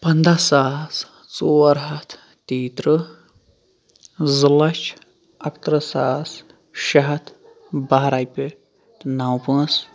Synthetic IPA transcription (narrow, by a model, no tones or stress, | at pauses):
pɐnd̪ʱɐsaːs | t͡soɐɾɦɐt̪ʰ | t̪iːt̪ɾɨ | zɨlɐt͡ʃ | ɐkt̪ɾɐsaːs | ʃɐɦɐt̪ʰ | baɦɾajpʲe | t̪nawpɨ̃s